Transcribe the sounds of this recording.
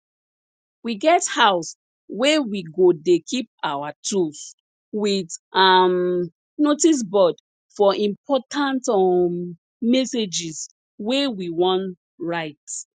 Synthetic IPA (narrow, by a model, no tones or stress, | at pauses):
wiɡɛthaʊs | wewiɡodekʰip̚awatʰus | witam | notis̬bɔd | fɔĩmpʰɔtãntm | mɛsed͡ʒis | wewiwɔ̃n | ɹaɪt